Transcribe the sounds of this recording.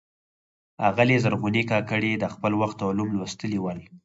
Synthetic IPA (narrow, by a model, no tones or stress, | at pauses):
aɣalezaɾɣunikɑkəɽed̪əxpəlwaxt̪awlumlwast̪əliwəl